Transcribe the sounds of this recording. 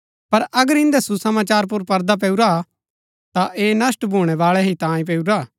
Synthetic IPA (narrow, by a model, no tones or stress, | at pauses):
pɐɾɐɡəɾɪ̃nd̪ɛsusɐmaːt͡ʃaːɾp̬ʊɾpɐɾd̪ap̬ɛːuɾa | t̪aʔeːnɐsʈbʱuːɽ̃ɛʋaːɭɛɦit̪ãːĩp̬eːuɾaː